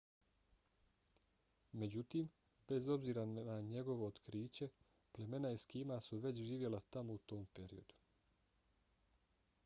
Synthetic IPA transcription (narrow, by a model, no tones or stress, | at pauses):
me̞d͡ʑut̪iːm | be̞zo̞bziːɾaaɲe̞ɡo̞ʋoːt̪kɾiːt͡ɕe̞ | ple̞me̞naiskiːmasuʋe̞t͡ɕʒiːʋje̞lat̪amout̪o̞ːmpe̞ɾḭo̞d̪u̥